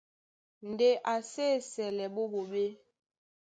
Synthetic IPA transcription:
n̩˨de˦ʔa˨seː˦˨sɛ˨lɛ˨ɓo˦bo˨ɓe˦

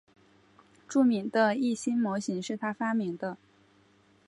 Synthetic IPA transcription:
ʈ͡ʂu˥˩mi˧˥ŋd̪ə˧i˥˩ɕi˥nmwɔ˧˥ɕi˧˥ŋʂɻ̩˥˩t̪ʰa˥fa˥mi˧˥ŋd̪ə˧

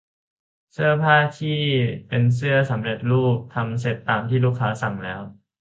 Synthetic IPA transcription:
sɯ˥˩ɐpʰaː˥˩t̪ʰiː˥˩pe˧ns̬ɯ˥˩ɐsa˩˦mɾe˨˩t̪̚ɾuː˥˩k̚t̪ʰa˧ms̬e˨˩t̪ːaː˧mt̪ʰiː˥˩luː˥˩kʰːaː˦˥sa˨˩ŋlɛː˦˥w

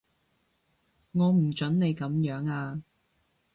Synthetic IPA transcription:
ŋɔː˨˧m̩˨˩t͡ʃɵ˨˥nne˨˧jkɐ˨˥mjœː˨˥ŋaː˧

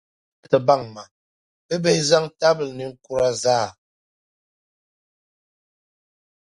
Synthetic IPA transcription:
tə˨ba˦˨ŋma˨ | pə˦be˦za˦ŋta˦bə˨lni˨ŋ̩˦ku˦˨ɾa˦zaː˦˨

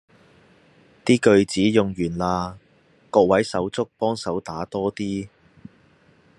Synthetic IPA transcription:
t̪iː˥kɵ˨˧ɥt͡siː˨˥jʊ˨ŋjyː˨˩nlaː˧ | kɔː˧k̚wɐ˨˥jsɐ˨˥wt͡sʊ˥k̚pɔː˥ŋsɐ˨˥wt̪aː˨˥t̪ɔː˥t̪iː˥

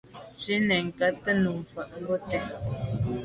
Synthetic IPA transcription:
t͡ʃi˦nɛ˨ŋ̩˨ka˦tə˦nu˨m˨fa˨ʔo˦tɛ˦

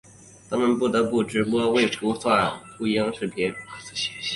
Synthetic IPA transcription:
t̪ʰa˥mə˨npu˥˩t̪ɤ˧˥pu˥˩ʈ͡ʂɻ̩˧˥pwɔ˥we˥˩ɪfu˧˥swa˥˩nt̪ʰu˥jɑ˥ŋʂɻ̩˥˩t̪ʰjɛ˥n

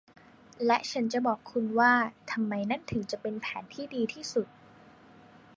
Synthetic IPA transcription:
lɛ˦˥ʔt͡ɕʰa˦˥nt͡ɕa˨˩bɔː˨˩kʰːu˧nwaː˥˩t̪ʰa˧mːa˧jna˥˩nt̪ʰɯ˩˦ŋt͡ɕa˨˩pe˧npʰɛː˩˦nt̪ʰiː˥˩diː˧t̪ʰiː˥˩su˨˩t̪̚

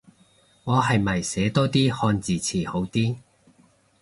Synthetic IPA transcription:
ŋɔː˨˧ɦɐ˨jmɐ˨˩jsɛː˨˧˥t̪ɔː˥t̪iː˥hɔː˧nt͡siː˨t͡sʰiː˨˩ho˨˥wt̪iː˥

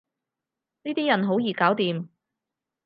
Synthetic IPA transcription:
niː˥t̪iː˥jɐ˨˩nɦo˨˥wjiː˨kaː˨˥wt̪iː˨m

